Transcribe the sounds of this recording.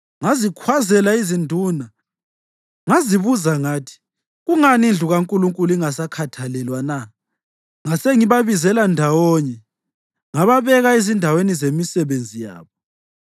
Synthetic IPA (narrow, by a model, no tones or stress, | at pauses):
ŋazikʰwazɛlaizindʱuːna | ŋaziβuzaŋaːtʰi̥ | ɣuŋanind͡ɮʱuɣaŋkʼuluŋkʼuliŋasakʰatʰalɛlwana | ŋaseŋiβaβizɛlandʱawɔɲɛ | ŋaβaβɛɣaezindʱawenizemisɛβend͡zʱija̰ːβɔ